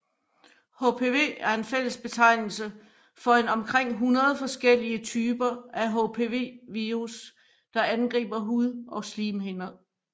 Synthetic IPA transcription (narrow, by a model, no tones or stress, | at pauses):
hopʰe̝ʋe̝̰ːæɐe̝nfel̰əsb̥e̝t͡sʰɑ̈ɪ̰nl̩sə | fɒ̽e̝nɒ̽mkʰʁeŋ̰ɦunɐð̞ˠfɒ̽sɡ̥el̰iət͡sʰyːb̥ɐæɦopʰe̝ʋe̝̰ʋius | d̥ɑ̈ænɡ̥ʁḭːb̥ɐɦuðˠʔɒ̽sliːmɦe̝nɐðˠ